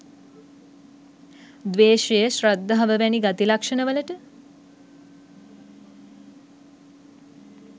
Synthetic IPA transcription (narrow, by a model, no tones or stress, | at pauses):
d̪ʋeːʃejəʃɾəd̪ːəɦaʋəʋæniɡat̪ilakʂənəʋələʈə